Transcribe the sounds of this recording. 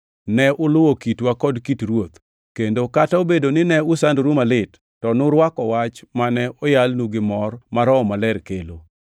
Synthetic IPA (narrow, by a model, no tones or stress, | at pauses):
nɛʔʊlʊwokitwakɔdkitɾwot̪ | kendokataobedonɪnɛʊsandɾumalɪtːɔnʊɾwakɔwat͡ʃmanɛʔɔjalnuɡɪmɔrmaɾɔmalɛɾkelo